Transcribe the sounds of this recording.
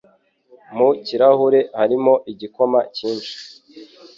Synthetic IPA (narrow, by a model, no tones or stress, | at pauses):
muciɾahuɾe̞haɾimo̞ʔiɟiko̞maciːnʃi̥